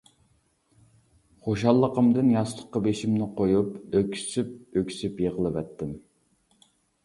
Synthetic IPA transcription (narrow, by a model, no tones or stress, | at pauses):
χoʃɑlˠːəqəmd̪ɨnjɑslˠəqːɑbeʃimnɪqʰojupøkʲʰi̥syp̚økʰʲy̥sypjeʁəlˠɨvɛt̪ːɪm